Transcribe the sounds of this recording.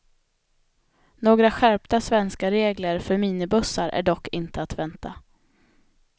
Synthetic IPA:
noːɡɾaɧæɾpt̪asvɛnskaɾeːɡləɾfœɾmiːnɪbɵsaɾʔæ̰ɖɔkːɪnt̪ʰəat̪vɛnt̪ʰa̰

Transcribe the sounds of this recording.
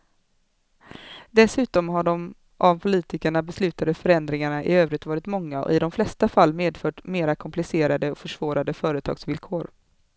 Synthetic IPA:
d̪ɛsʉ̟ːt̪ɔmɦaɖɔm | ʔavpʰʊliːt̪ɪkəɳabɛslʉ̟ːt̪ad̪əfœɾɛnd̪ɾɪŋaɳaʔɪ̰øːvɾɪt̪vɑːɾɪt̪mɔŋːaɔ̰ɪd̪ɔmflɛst̪afalːmeːd̪fœːʈmeːɾakʰɔmplɪseːɾad̪əɔfœʂv̥oːɾad̪əfœːɾət̪ʰɑ̰ɡsvɪlkʰoːɾ

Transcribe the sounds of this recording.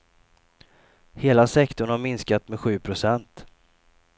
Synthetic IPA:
heːlasɛkt̪ʊɳhaɾmɪnskat̪mɛɧʉ̟ːpʰɾʊsɛnt̪

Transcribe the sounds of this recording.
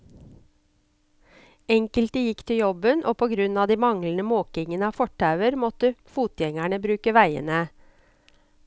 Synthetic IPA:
ɛŋkəlt̪̚d̪əjɪkt̪ʰɪjɔbənʔo̰ːpʰoːɡɾʉnɑːd̪iːmɑŋlən̩əmoːkɪŋənəɑːfɔʈʰːɑʉəɾmɔt̪əfuːt̪jɛŋæɳəbɾʉːkəʋæɪə̰nə

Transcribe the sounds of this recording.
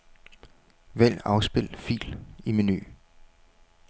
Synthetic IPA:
ʋel̰ɑ̈ʊsb̥e̝l̰fḭːlimeny̰ː

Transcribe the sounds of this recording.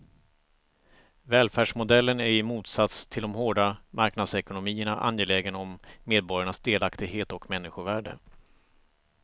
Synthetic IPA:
vɛːlfæːɖʂmʊd̪ɛlːənæɾɪmuːt̪sat̪st̪ʰɪld̪ɔmɦoːɖamaɾknad̪sɛkʊnʊmiːəɳaʔa̰njeːlɛːɡənɔmːeːd̪̚bɔɾjaɳasd̪eːlakt̪ɪɡɦeːt̪ɔkmɛnːɪɧʊvæːɖə̰

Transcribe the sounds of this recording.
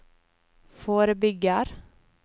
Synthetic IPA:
foːɾbʏɡəɾ

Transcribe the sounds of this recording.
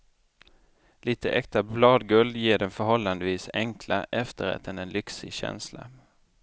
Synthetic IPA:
liːt̪əʔɛkt̪ablɑːd̪ɡɵld̪jeːɖɛnfœɾhɔlːand̪əʋiːsɛŋkʰlaʔɛft̪ʰəɾa̰t̪̚ɛnɛnlʏksɪɕɛ̰nsla

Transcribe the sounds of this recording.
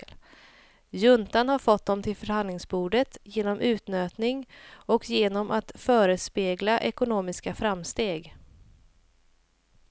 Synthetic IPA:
jɵnt̪anhaɾfɔt̪̚ːd̪ɔmt̪ʰɪlfœɾhand̪lɪŋsbuːɖət̪jeːnɔmʔʉ̟ːt̪nøːt̪nɪŋɔkjeːnɔmʔat̪fœːɾəspeːɡlaʔɛkʊnoːmɪskafɾamst̪eːɡ

